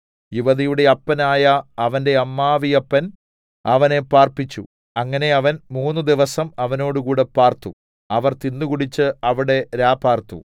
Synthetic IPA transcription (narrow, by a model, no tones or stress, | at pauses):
juʋɐðijuɽe̞ɐpːɐnaːjɐːʋɐnde̞ɐmːaːʋijɐpːɐn | ɐʋɐne̞paːrpit͡ɕːṵ | ɐŋːɐne̞ɐʋɐnmuːnːud̪iʋɐsɐmɐʋɐno̞ːɽukuːɽe̞paːrt̪u | ɐʋɐrt̪inːukuɽit͡ɕːɨɐʋiɽe̞ɾaːpaːrt̪ṵ